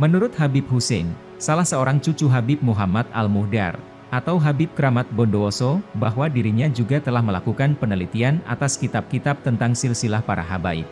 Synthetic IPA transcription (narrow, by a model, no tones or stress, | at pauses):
mənuɾʊt̪̚ɦabɪp̚husɛn | salahsəoɾaŋt͡ʃut͡ʃuɦabɪp̚muɦamat̪̚a̰lmuhda̰r | ʔat̪awɦabɪp̚kəɾamat̪̚bɔndoːsɔbaɦwadiɾiɲad͡ʒuɡat̪əlahməlakukanpənəlit̪iana̰t̪askit̪ap̚kit̪ap̚t̪ənt̪aŋsɪlsilahpaɾa̰ɦaba̰ɪ̰